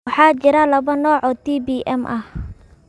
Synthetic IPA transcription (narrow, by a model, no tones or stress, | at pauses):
ɑħɑːt͡ʃɪɾɐlɐβɐnɔːʕɔːt̪ʰiːbiːʔɛmʔɐh